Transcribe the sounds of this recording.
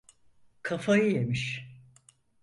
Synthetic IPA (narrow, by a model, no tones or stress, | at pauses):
kʰafajɯje̞miʃ